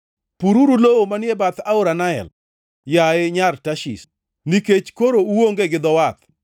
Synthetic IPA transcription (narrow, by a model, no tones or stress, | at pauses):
puɾuɾulowomanjebat̪aʊɾanaɛ̰l | jaɪɲartaʃḭs | niket͡ʃkoɾouwoŋɡeɡɪd̪ɔwat̪̚